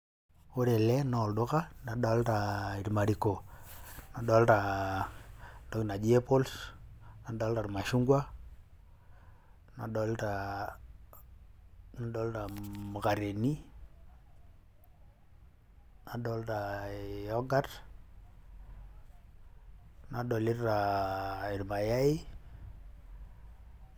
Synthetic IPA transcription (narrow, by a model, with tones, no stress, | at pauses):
o˦ɾe˨lɛ˦nɔ˨ldo˦ka˦na˨ɗɔ˦lta˨i˨ɾma˨ɾi˨ko˨na˨dɔ˦lta˨ | do˨˦kna˨d͡ʒi˦e˦po˦lsna˨dɔ˦lta˨ɾma˨ʃu˦ŋɡwa˦ | na˨ɗɔ˨˦lta˨ | na˨˦dɔ˦lta˨mu˨ka˨ɾe˨ni˦ | na˨dɔ˦lta˨jɔ˦ɡa˦t | na˨dɔ˨li˦tta˨i˨ɾma˨ja˦i˦